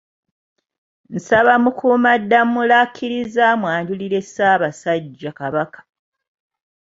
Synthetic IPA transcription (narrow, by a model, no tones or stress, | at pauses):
n̩saβamukuːmadːamulakʰːiɾizaːmwaːɲɟuliɾe̞saːβasaɟːakaβakḁ